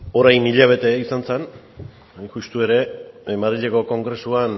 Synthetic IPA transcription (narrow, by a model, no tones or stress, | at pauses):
o̞ɾajniʎaβ̞e̞t̪e̞isant͡sen | ʝust̪ue̞ɾe̞maðɾiʎeko̞ko̞ŋɡɾe̞suan